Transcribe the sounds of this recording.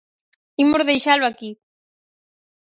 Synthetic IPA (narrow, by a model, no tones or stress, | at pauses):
imoɾðejʃalwaki